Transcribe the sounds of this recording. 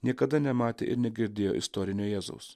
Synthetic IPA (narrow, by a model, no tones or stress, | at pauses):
nʲiɛkɐd̪ɐnʲɛmɑːt̪ʲḛːʔɪ̰ɾnʲɛɡʲɪɾʲd̪ʲeːjo̰ːʔɪst̪ɔːɾʲɪnʲoːjɛːzo̰ʊs